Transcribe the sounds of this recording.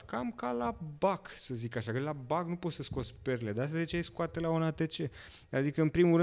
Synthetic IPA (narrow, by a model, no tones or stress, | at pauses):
kamkalabaksəzikaʃakəlabaknupot̪səsko̞t̪spe̞ɾele̞d̪asad̪et͡ʃeejskoat̪elaonat̪et͡ʃe̞ | d̪ad̪ikəɨnpɾimulɾɨ